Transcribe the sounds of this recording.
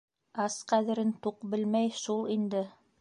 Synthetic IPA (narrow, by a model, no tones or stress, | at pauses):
ɑsqæðɘ̆ɾɘnt̪uqbɘ̆lmæjʃulˠind̪ɘ